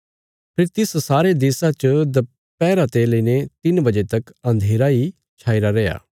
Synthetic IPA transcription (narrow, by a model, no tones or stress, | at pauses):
pʰɪɾt̪ɪssaːɾed̪eːsãt͡ʃəd̪ɐ | pɛːɾat̪eləiːnet̪ɪnbɐd͡ʒet̪ɐkɐ̃nd̪ʱeːɾai | t͡ʃʰaːiɾaɾea̰ː